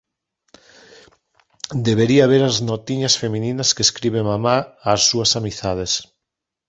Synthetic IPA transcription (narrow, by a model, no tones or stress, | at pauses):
d̪eβeɾiaβeɾaznot̪iɲɐsfemĩninɐskeskɾiβ̞eŋmamaasːuɐsamiθað̞es